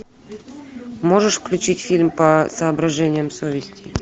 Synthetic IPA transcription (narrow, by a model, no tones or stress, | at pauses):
moʐəʂfklʲʉt͡ɕitʲfʲilʲmpɐsɐːbɾɐʐɛnʲɪjəmsovʲɪsʲtʲɪj